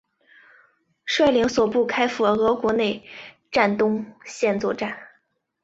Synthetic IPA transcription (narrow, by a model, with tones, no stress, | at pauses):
ʂwa˥˩ɪli˧˥ŋswɔ˨˩pu˥˩kʰa˥ɪfu˧˩ə˩ɤ˧˥kwɔ˧˥ne˥˧ɪ | ʈ͡ʂa˥˩nt̪ʊ˥ŋɕjɛ˥˧nt͡swɔ˥˧ʈ͡ʂa˥˩n